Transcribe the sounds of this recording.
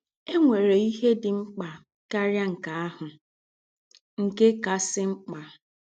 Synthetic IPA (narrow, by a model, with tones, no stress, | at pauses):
e˦ŋʷe˨ɾe˨i˦ɦe˦dɪ˨ŋ͡m̩˦k͡pa˨ | ka˦ɾja˦ŋ̩˨ka˨a˦hʊ˨ | ŋ̩˨ke˦ka˨sɪ˦ŋ͡m̩˦k͡pa˨